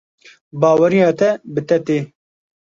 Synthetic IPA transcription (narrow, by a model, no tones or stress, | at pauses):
bɑːwɐɾijɑːt̪ɛbɨt̪ɛt̪eː